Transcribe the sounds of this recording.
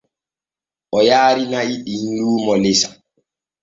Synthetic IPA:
ʔɔjaːɾinaiɗihduːmɔlesḁ

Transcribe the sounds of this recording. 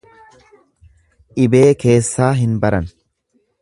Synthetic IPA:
ʔɪbe̞ːke̞ːsːaːɦɪnbɐɾɐn

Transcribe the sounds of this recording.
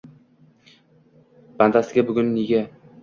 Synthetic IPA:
b̥and̪asɪɡʲabʊɡʲʊnːeɡʲa

